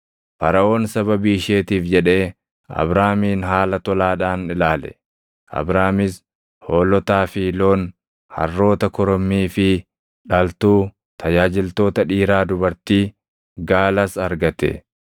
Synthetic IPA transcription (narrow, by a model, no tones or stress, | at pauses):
fɐɾɐʔo̞ːnsɐβɐbiːɪʃe̞ːt̪iːfd͡ʒɛᶑe̞ː | ɐ̰bɾaːmiːnɦaːlɐt̪ɔlaːᶑaːnɪlaːlɛ̥̰ | ʔɐ̰bɾaːmɪs | hoːlɔt̪aːfiːlo̞ːn | hɐ̰rːo̞ːt̪ɐkɔɾɔmːiːfɪ | ᶑɐlt̪uː | t̪ʰɐd͡ʒaːd͡ʒɪlt̪o̞ːt̪ɐᶑiːɾaːd̪ʊbɐɾt̪iː | ɡaːlɐsɐɾɡɐt̪ɛ̰